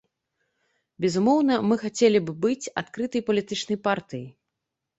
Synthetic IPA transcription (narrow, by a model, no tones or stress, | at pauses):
bʲɛzumɔwn̪ɐmɨxat͡sʲelʲibɨbɨt͡sʲa̰t̪kɾɨt̪ɐjpɐlʲit̪ɨt͡ʂnɐjpart̪ɨjḭ